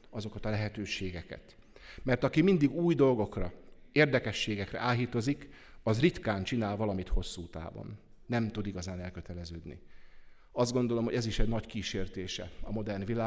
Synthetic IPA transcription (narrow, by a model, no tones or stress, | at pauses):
ɒzo̞kɒt̪ɒlɛɦɛt̪øːʃeːɡɛkɛ̰t̪ | mɛrt̪ɒkimind̪iɡuːjd̪o̞lɡo̞krɒeːrd̪ɛkɛʃːeːɡɛkrɛ̰ʔaːlɦit̪o̞zikɒzrit̪kaːnt͡ʃinaːlvɒlɒmit̪ho̞sːuːt̪a̰ːvo̰nː | ɛmt̪ud̪iɡɒzaːnɛlkøt̪ɛlɛzøːd̪nḭ | ɒzd̪ɡo̞nd̪o̞lo̞mho̞ɟɛziʃɛɟnɒckiːʃeːrt̪eːʃɛ̰ɒmo̞d̪ɛrnvilaː